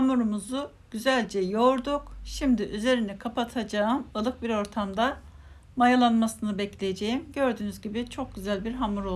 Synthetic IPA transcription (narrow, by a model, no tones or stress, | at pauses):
hamuɾumuzu | ɟ̥yzælʲd͡ʒɛjo̞ɾd̪ukʃimd̪iʔyze̞ɾinɛkʰapʰat̪ʰad͡ʒaɯmɯlˠɯk̚biɾo̞ɾt̪ʰamd̪a | majalˠanmasɯnɯbɛclʲejed͡ʒe̞jimɟø̞ɾd̪yːnyzɟibit͡ʃʰo̞k̚ɟyzælʲbiɾɦamuɾo̞lˠ